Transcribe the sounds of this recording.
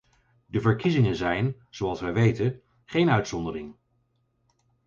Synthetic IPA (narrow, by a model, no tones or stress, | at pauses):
dəvəɹkizɪŋənzɛjn | z̥oɑlˠsʋɛjʋejtən | χejnœɥtsɔndərɪŋ